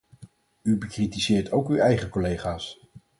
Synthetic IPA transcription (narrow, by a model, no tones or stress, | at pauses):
ybəkritizɪːɹtʰowkywɛjχəkolejχaːs